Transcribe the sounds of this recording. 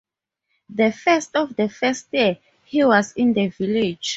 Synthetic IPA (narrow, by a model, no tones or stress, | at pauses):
ðəfɛstɔfdəfɛst̚ji | hiwɔzĩndəviled͡ʒ